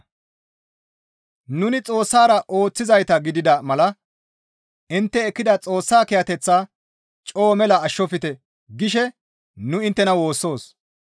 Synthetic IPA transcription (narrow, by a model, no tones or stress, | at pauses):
nʊnɪt͡sʼo̞ːsːaːɾɐʔo̞ːt͡sːɪzɐjt̪ɐɡɪd̪ɪd̪ɐmɐlɐ | ɪnt̪ːɛːkːɪd̪ɐt͡sʼo̞ːsːaːkɛjɐt̪ɛt͡sːaː | t͡ʃʼo̞ːmɛlɐɐʃːɔfɪt̪ɛ | ɡɪʃɛ | nʊɪnt̪ːɛnɐwo̞ːsːo̞ːs